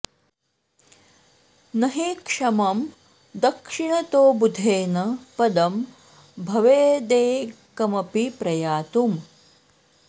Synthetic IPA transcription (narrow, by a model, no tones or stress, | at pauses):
nɐɦeːkʂɐmɐm | d̪ɐkʂiɳɐt̪oːbud̪ʱeːnɐpɐd̪ɐm | bʱɐʋeːd̪eːkɐmɐpipɾɐjaːt̪um